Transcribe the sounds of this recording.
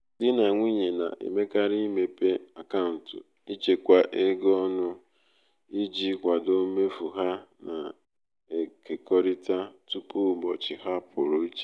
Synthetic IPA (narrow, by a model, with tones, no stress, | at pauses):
dɪ˦na˨ŋʷi˦ɲe˨na̰˨ʔḛ˨me˦ka˦ɾi˦me˨pe˦a˨ka˦ʊ˨n̩˨tʊ˨ | i˦t͡ʃe˨kʷa˨ʔe˦ɡɔ˦nʊ˦ | i˦d͡ʒi˦kʷa˨do˦me˦fu˨ɦa˦na˨ | e˨ke˨kɔ˦ɾi˦ta˦tu˦pu˦˨bɔ˨t͡ʃɪ˨ha˦pʰʊ˨ɾo˨˦t͡ʃe̥˦